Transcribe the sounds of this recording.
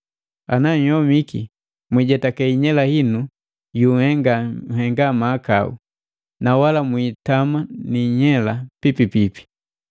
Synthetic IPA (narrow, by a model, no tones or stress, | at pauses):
anaɲ̩hɔmiki | mwiɟɛtakɛiɲɛlahinu | juhɛŋɡahɛŋɡamaːkaṵ | nawalamwitamaniɲɛlapipipipi̥